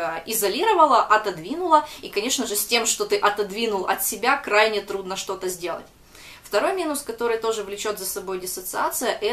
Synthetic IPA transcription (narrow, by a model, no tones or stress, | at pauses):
ɪzɐlʲiɾəvəlˠəʔɐt̪ɐd̪vʲinʊlˠəikɐnʲe̞ʂnəʐɨsʲtʲe̞mʂt̪ot̪ɨʔɐt̪ɐd̪vʲinʊlˠɐt̪sʲɪbʲakɾajnʲɪt̪ɾud̪nəʂt̪o̞t̪əzʲdʲe̞lˠə̰tʲ | ft̪ɐɾo̞jmʲinʊskɐt̪o̞ɾɨjt̪o̞ʐɨvlʲɪt͡ɕo̞t̪zəsɐbo̞jdʲɪsət̪sɨat̪sɨjəʔɛ